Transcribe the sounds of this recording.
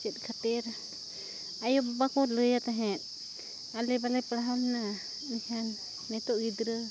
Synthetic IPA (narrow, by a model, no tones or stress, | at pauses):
t͡ʃɛt̪̚ˀkʰat̪ɛɾ | ajɔbbakɔləjat̪aɦɛ̃t̪̚ˀ | alɛbalajpɽaɦamna | nihanː | ɛt̪ɔʔɡid̪ɾə